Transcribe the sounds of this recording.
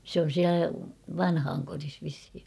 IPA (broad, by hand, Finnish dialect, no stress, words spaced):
sĕ on̞ siælæ ʋɑnhɑːŋkoris ʋishi